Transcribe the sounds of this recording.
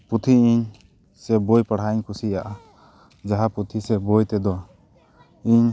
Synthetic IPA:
put̪ʰiiɲ | sɛbojpaɽ̤aiɲkʰusijaʔa | d͡ʒaɦapɾut̪ʰisɛbojt̪ɛd̪ɔ | iɲ

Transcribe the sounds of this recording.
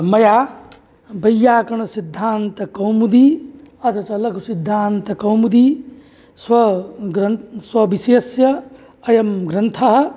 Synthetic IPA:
mɐjaː | bɐjjːaːkɐɳɐsid̪ʱːaːnt̪ɐkɐwmud̪iɐt̪ɐt͡ʃɐlɐkusid̪ʱːaːnt̪ɐkɐwmud̪i | swɐɡɾɐswɐbiseːsjɐː | jɐmɡɾɐnt̪ʰɐɦɐ̆

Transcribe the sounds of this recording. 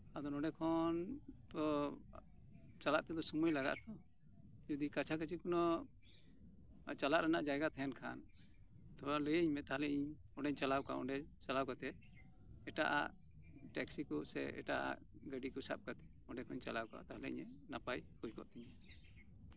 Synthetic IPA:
ad̪ɔnɔɖɛkʰɔnd̪ɔ | t͡ʃalaʔt̪ɛd̪ɔsumujlaɡa̰ʔt̪ɔ | d͡ʒɔd̪ikat͡ʃʰak̬ət͡ʃikunɔ | t͡ʃalaʔɾanaʔd͡ʒajɡat̪ʰɛnkʰa̰n | t̪ʰɔɾaləjəiɲmɛt̪aɦlɛiɲ | ɔɖɛɲt͡ʃalawka̰ɔ̰ɖɛt͡ʃalawkat̪ɛ | ɛʈa̰ʔa̰ʔ | ʈɛksikɔsɛ̰ɛ̰ʈa̰ʔa̰ʔ | ɡəɖikɔsa̰p̚kat̪ɛ̥ | ɔɖɛkʰɔɲt͡ʃalawka̰t̪aɦlɛḭɲɛnapajkud͡ʒkɔ̰ʔt̪ɛɲɛ

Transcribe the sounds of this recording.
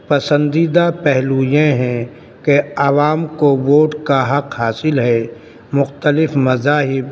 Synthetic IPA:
pɐsə̃nd̪iːd̪apɛɦluːjẽɦɛ̃ | keɐʋaːmkoʋoːʈkaɦɐqhaːsɪlɦɛ | mʊxt̪əlɪfmɐzaːɦɪb

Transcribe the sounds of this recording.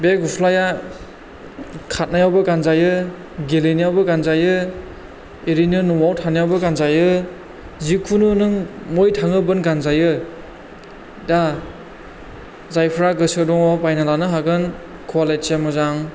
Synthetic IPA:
bekupʰlaja | kʰat̚najawbɯkanzajɯ | ɡelinajawbɯkanzajɯ | iɾinɯnɔwawtʰanajawbɯkanzajɯ | zikʰununɯŋmojtʰaŋɯbɯnkanzajɯ | da | zajpʰɾaɡɯsɯdɔŋɔpajnalanɯɦaɡɯn | kʰwalet͡ʃemɔzaŋ

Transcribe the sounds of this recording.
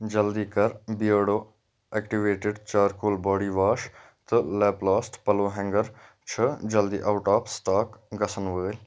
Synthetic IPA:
d͡ʒɐld̪iːkɐɾbijəːɽoː | eːkʈiʋeːʈɪɖt͡ʃaːɾkuːlbɔːɖiːʋaːʃ | t̪ɨlɛːplaːsʈpɐloːɦɛ̃ŋɡəɾ | t͡ʃʰəd͡ʒɐld̪ḭːʔaʊʈaːpʰsʈaːkɡɐsənʋəːl

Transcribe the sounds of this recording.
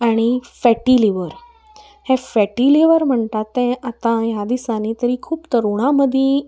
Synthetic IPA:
aɽ̃ifɛʈiliʋəɾ | hẽfɛʈiliʋəɾm̤əɳt̪at̪ːɛ̃ʔat̪ãɦjad̪isanit̪əɾikʰuːpt̪əɾuɽ̃aməd̪ʱjẽ

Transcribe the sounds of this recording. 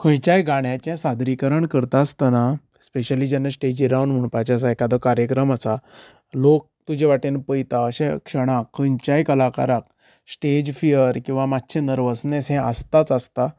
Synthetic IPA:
kʰə̃jt͡ɕajɡʱaɳjat͡ɕɛ̃sad̪ɾikəɾəɳkəɾt̪ast̪əna | speɕəlid͡ʑɛnːasʈed͡ʑiɾawnm̤əɳpajt͡ɕas̬aekad̪ɔkaɾjəkɾəmasa | lok̚t̪ud͡ʑẽʋaʈenpəjt̪aəɕɛ̰̃kʂəɽ̃akʰːə̃jt͡ɕajkəlaka̰ɾak | sʈed͡ʑfijəɾkĩw̃ʋamat̪ːɕʰenəɾʋəsnesɦɛ̃əst̪at͡səst̪a

